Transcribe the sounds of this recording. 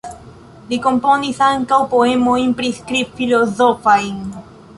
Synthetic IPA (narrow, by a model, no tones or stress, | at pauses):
likomponisaŋkawpoemoimpɾiskɾifilozofajn